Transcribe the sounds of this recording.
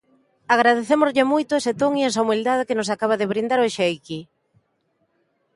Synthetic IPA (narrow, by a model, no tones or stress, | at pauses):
aɣ̞ɾað̞eθemozʎɪmojt̪ʊɛset̪oŋiɛs̬aumild̪að̞ekɪnʊs̬akaβ̞aðɪβɾind̪aɾoʃejki